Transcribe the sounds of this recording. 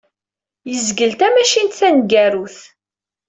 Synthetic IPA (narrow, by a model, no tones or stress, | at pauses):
jəzɡəlt̪æmæʃint̪θænɡæɾuθ